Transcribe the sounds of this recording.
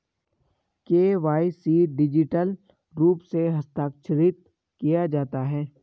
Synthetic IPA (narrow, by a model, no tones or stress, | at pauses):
keːʋaːisiːɖɪd͡ʒɪʈəl | ɾuːpseɦɐst̪aːkʃʰɾɪt̪̚ | kijad͡ʒaːt̪aɦɛː